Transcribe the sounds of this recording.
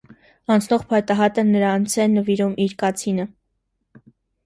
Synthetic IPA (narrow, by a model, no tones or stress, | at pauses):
ɑnt͡sʰnɔʁpʰɑt̪ɑɦɑt̪ənəɾɑnt͡sʰɛnəviɾumʔiɾkɑt͡sʰinə